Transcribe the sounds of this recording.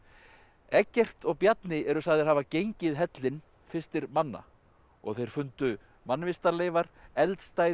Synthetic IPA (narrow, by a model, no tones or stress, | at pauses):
ɛcːɛr̥t̪ɔɣpjat̪nɪɛɾʏsaɣðɪɦaːvacejɲcɪðɦɛt̪lɪn | fɪ̥st̪ɪɾmanːa̰ | ɔ̰ɣθejɾ̥fʏnt̪ʏ | manːvɪst̪aleːjvaɾɛlt̪st̪aːj